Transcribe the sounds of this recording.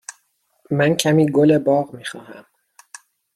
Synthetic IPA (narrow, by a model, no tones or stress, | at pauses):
mæncʰæmiːɡolebɒːɣmiːxɒːhæm